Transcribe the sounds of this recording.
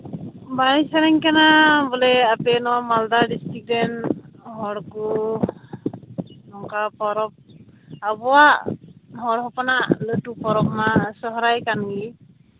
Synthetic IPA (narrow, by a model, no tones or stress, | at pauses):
baijsaɾaŋkanabɔlɛapɛnɔmaldadistik̚dɛnɦɔɽku | nɔŋkapɔɾɔp̚abɔwa | ɦɔɽɦɔpɔnalɯtupɔɾɔp̚nasɔɦɔɾajkanɡli